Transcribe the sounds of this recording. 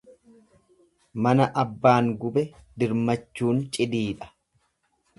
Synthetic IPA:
mɐnɐʔɐbːaːŋɡʊbɛd̪ɪɾmɐt͡ʃːuːnt͡ʃʼɪd̪iːᶑɐ̥

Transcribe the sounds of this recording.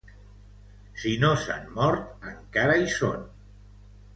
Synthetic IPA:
sinosa̰nmɔɾt̪əŋkaɾaiso̰n

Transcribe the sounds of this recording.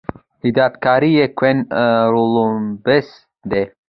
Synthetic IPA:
hid̪aːt̪kaːɾijekʰwenɾulubes | d̪e

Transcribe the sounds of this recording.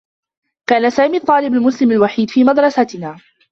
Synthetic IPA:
kaːnasaːmiːt̪ˤɑːlɪbalmʊslɪmalwaħiːd̪fiːmɑd̪ɾˤɑsat̪ɪnaː

